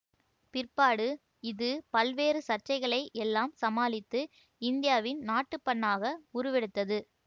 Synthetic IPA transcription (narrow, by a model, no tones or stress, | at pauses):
pɪrpaːɽɯ | ɪðɯpɐlʋeːɾɯsɐr̚t͡ʃɐɪɣɐɭɐɪʔɛlːaːmsɐmaːlɪt̪ːɯ | ɪnd̪ɪjaːʋɪnnaːʈːɯpːɐɳːaːɣɐʊɾʊʋɛɽɯt̪ːɐðɯ